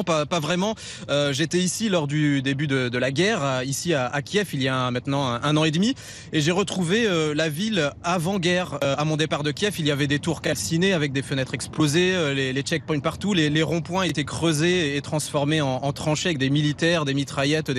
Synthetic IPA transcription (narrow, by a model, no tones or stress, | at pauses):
papavʁɛmɑ̃ | øʒet̪ɛisilɔʁd̪yd̪ebyd̪əd̪əlaɡʲɛʁisiaa̰kʲjɛfilijamɛ̃t̪nɑ̃ɛ̃ɛ̃nɑ̃ed̪mi | eʒeʁət̪χuveølavilavɑ̃ɡʲɛʁamɔ̃d̪epaʁd̪əkʲjɛfilijavɛd̪et̪uʁkalsineavɛk̚d̪efənɛt̪χɛksplozeølelet͡ʃɛk̚pɔnpaʁt̪uleleʁɔ̃pwɛ̃et̪ɛkχøzeːt̪χɑ̃sfɔʁmeɑ̃ːt̪χɑ̃ʃeavɛk̚d̪emilit̪ɛʁd̪emit̪χajɛt̪d̪